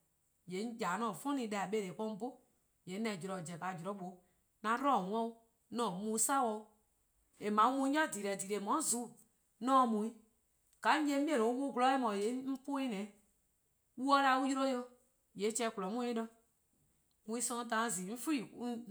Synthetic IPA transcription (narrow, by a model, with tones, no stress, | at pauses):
je˨˦n̩˦d͡ʒa˨˦nɔ̃ː˨fɔ̃˦nĩ˧˦da˨a˨ɓe˧˦le˨k͡pɔ̃˧˦ŋ˦bo˦ | je˨˦nɛ̃˨d͡ʒɾɔ˨d͡ʒɛ˨ka˨d͡ʒɔ˨ɾɔ˦ɓo˨˦ | nã˨˦ɾɔ̃˦˨wɔ̃˦u˦ | nɔ̃ː˨mũ˧˦sa˦wɔ̃˧u˦ | e˨mã˨˦u˦mũ˧˦ɲɔ̃˦˨di˨ɾɛ˨di˨ɾe˨mɔ̃˨˦zu˨˦˨ | nɔ̃ː˦˨mũ˨ĩ˦ | ɡ̥a˨˦ɲ̩˦je˦i˦ẽ˦nõ˨u˦wu˦ɡlɔ˨˦ɛ˦mɔ̃˨je˨˦m̩˦po˦i˦nɛ̃˨˦ | wu˦ɔ˦la˧˦u˦ju˦ɾo˦jo˧ | je˨˦t͡ʃɛ˧˦ku˨lɔ˨˦mũ˦e˦nɔ̃˧˦ | ŋũ˧ĩ˧˦sɔ̃˧˦tã˨˧˦ziː˨˦m̩˦fu˦i˦˨˦